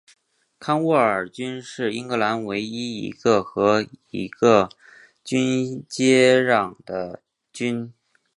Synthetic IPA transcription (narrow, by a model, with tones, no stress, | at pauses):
kʰa˥nwɔ˥˩ə˞˨˩t͡ɕy˥nʂɻ̩˥˩i˥nɡɤ˧˥la˧˥nwe˧˥ɪi˥ḭ˧˥ɡə˧xɤ˧˥i˧˥ɡ̥ə˧ | t͡ɕy˥nt͡ɕjɛ˥ɻɑ˨˩ŋd̪̥ə˦ | t͡ɕy˥n